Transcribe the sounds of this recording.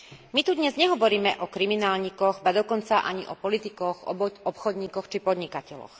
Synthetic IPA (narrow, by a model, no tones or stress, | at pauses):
mit̪ud̪ɲɛzɲɛɦɔʋɔɾiːmɛʔɔkɾiminaːlɲikɔɣbad̪ɔkɔnt͡saʔaɲiʔɔpɔlit̪ikɔxɔpxɔd̪ɲiːkɔxt͡ʃipɔd̪ɲikacɛlɔ̰x